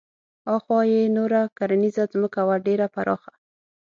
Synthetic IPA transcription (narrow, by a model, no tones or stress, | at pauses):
ɑxwɑjenoɾakaɾanizazməkawaɖeɾapaɾʔɑ̰xa